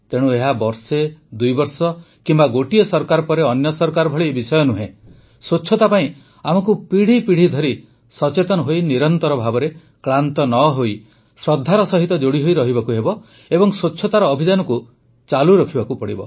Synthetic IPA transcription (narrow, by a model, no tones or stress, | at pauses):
t̪eɽ̃ũeɦabɔɾsed̪ujbɔɾsɔ | kimbaɡoʈiɔsɔɾkaɾɔpɔɾeɔnjɔsɔɾkaɾɔbʱɔɭiebisɔjɔnuɦẽ | soːt͡ʃʰɔt̪apaĩ | amɔkupiɽ̤ipiɽ̤id̪ʱɔɾi | sɔt͡ʃet̪ɔnɔɦojniɾɔnt̪ɔɾɔbʱabɔɾe | kɭant̪ɔnɔɦoj | sɾɔd̪ʱːaɾɔsɔɦit̪ɔd͡ʒoɽiɦojɾɔɦibakuɦebɔ | ebɔŋsoːt͡ʃʰɔt̪aɾɔːbʱid͡ʒanɔku | t͡ʃaluɾɔkʰibakupɔɽḭbɔ̰